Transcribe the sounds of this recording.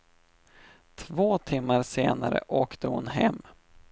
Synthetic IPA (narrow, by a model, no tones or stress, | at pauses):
t̪ʰvoːt̪ʰɪmːaɾseːnaɾə̰ʔoːkt̪əhʊnhɛmː